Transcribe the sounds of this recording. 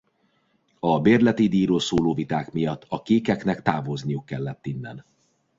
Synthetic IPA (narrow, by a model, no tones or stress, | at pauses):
ɒbeːrlɛt̪id̪iːɾoːlsoːloːvit̪aːkmijɒt̪ːɒkeːkɛknɛkt̪aːvoznijukːɛlːɛt̪ːinːɛ̰n